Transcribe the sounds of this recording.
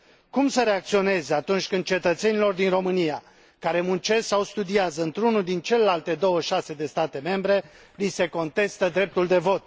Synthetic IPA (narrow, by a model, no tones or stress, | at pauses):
kumsəɾe̞ak̚t̪sio̞ne̞zeat̪unt͡ʃʲkɨnd̪̚t͡ʃe̞t̪ət̪se̞nilo̞rd̪inro̞mɨnija | kaɾe̞munt͡ʃe̞ssawst̪ud̪iazəɨnt̪ɾunud̪int͡ʃe̞le̞lalt̪e̞d̪o̞wəʃase̞d̪e̞st̪at̪e̞me̞mbɾe̞ | lise̞ko̞nt̪e̞st̪əd̪ɾe̞p̚t̪uld̪e̞vo̞t̪̚